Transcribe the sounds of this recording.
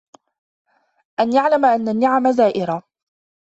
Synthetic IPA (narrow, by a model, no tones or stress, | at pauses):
ʔanjaʕlamaʔanːanːɪʕamazaːʔɪɾa